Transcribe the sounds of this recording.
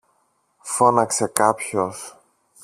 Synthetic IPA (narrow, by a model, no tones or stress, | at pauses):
fo̞nɐkse̞kɐpços